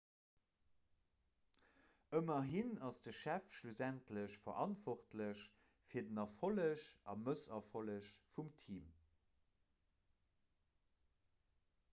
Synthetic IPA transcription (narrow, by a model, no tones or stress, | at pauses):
əmɐɦinɑsd̥əʃæfʃluzæntləɕfɐ̰ʁʔɑntv̥ɔχtləɕ | fiːɐdənɑfoləɕʔɑ̰məsɐfoləɕfumtʰiːm